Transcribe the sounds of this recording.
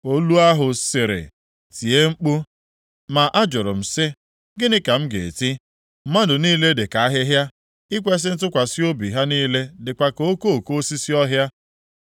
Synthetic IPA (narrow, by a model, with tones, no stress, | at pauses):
o˦lu˦a˦ɦʊ˨sɪ˨ɾɪ̰˨ | ti˨e˦ŋ͡m̩˦k͡pu˦ | ma˨ʔa˦d͡ʒʊ˨ɾʊ̰˨m̩˨sɪ˦ | ɡɪ˦nɪ˦ka˨m̩˦ɡḛ˨e˨ti˦ | m̩˦ma˦dʊ˨niː˦le˦de˨ka˨a˦ɦɪ˦ɦja˦ | i˦kʷe˦s̬ɪ˦n̩˦t̬ʊ˦kʷa˨si˦o˦bi˨ɦa˦niː˦le˦dɪ˨kʷa˨ko˦ko˦˨ko˦si˦si˦ɔ˦ɦja˦